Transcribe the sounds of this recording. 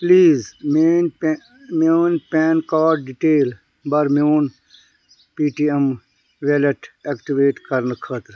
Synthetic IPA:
pliːzmeːn | moːnpeːnkaːʈ̚ɖiʈeːl | bɐɾmoːn | piːʈiem | ʋeleʈekʈiʋeːʈkɐɾnəkʰət̪ɾ

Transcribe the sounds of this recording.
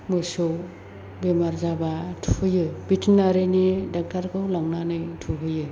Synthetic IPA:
mɯsɯw | bemaɾzabatʰuhɯjɯbitʰnaɾenidak̚taɾkʰɯwlaŋnanɯjtʰuɦɯjɯ

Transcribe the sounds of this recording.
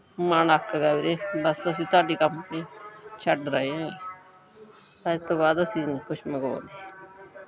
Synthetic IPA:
maːnəkʰːɡaːiːɾeːbəsəs̬ĩːt̪ʊaːɖiːkəmpnĩːt͡ʃʰəɖɾəiːãːŋɡeː | səːɾet̪õːbaːd̪əsĩːnkʰʊʃməɡã̰ːnd̪iː

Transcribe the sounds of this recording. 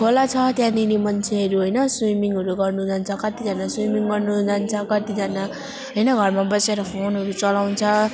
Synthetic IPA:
kʰolat͡sʰʌt̪janinimʌnt͡sʰeɦʌɾuɦʌjnʌswimiŋɦʌɾuɡʌrnud͡zʱant͡sʰʌkʌt̪id͡zʱʌnaswimiŋɡʌrnud͡zʱant͡sʰʌkʌt̪id͡zʱʌna | ɦʌjnʌɡʱʌrmabʌseɾʌpʰonɦʌɾut͡sʌlaw̃nt͡sʰʌ

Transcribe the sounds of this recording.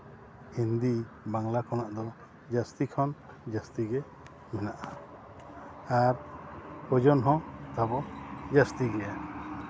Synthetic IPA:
ind̪i | baŋlakɔnaʔd̪ɔ | d͡ʒast̪ikʰɔn | d͡ʒast̪iɡɛ | mɛnaʔa | aɾpɔd͡ʒɔnɦɔ̃t̪abɔd͡ʒast̪iɡɛja

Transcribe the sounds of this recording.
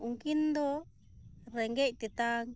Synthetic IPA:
ũŋkind̪o | ɾeŋɡeʔit̪it̪aŋ

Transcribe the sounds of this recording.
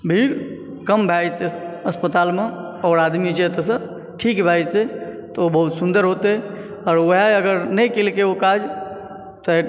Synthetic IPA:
bʱiɾ | kəmbʱad͡ʒt̪eəspət̪aːlme | ɔːɾaːd̪mid͡ʒet̪esə̃ | ʈʰiːkbʱajd͡ʒt̪et̪ɔobəɦut̪sʊnd̪əɾɦot̪eɦɛ | ɔːɾʋəɦaəɡəɾnəjkilkeokad͡ʒ | t̪ɔe

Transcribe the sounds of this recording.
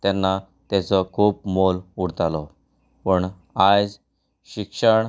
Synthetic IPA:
t̪anːa | t̪jat͡sɔkʰuːp̚moluɽt̪alɔ | pəɳ | ad͡z | ɕikʂəɳ

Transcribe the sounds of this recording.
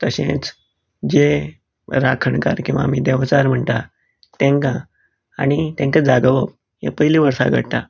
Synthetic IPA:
t̪əɕẽt͡s | d͡ʑe | ɾakʰəɳka̰ɾkĩw̃ʋa̰ːm̤iːd̪ɛʋt͡saɾm̤əɳt̪a | t̪ɛ̃ŋkã | añit̪ẽŋkad͡zaɡəʋəp̚ | ɦḛpəɦiliʋəɾsa̰ɡʱəɽt̪a

